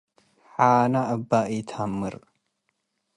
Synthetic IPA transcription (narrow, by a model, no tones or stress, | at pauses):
ħaːnaʔɐbːaʔit̪ʰamːɨɾ